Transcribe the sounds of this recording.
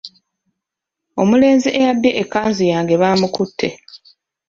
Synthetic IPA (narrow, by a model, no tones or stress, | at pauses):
o̞mule̞ːnziʔejabjeʔekːaːnzijaːŋɡe̞βaːmukutʰːe̞